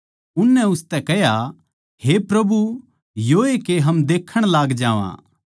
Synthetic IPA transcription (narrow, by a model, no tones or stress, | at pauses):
ʊnːɛ̃ʊst̪ɛkɛɦja | hepɾɐbu | joːekeɦɐmd̪eːkʰːəɽ̃laːɡd͡ʒaːʋã̰ː